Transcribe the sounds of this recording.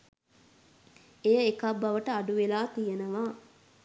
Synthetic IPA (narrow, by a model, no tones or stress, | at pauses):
ejəekɐbːɐʋəʈəɐɖuʋelaːt̪ijenɐʋaː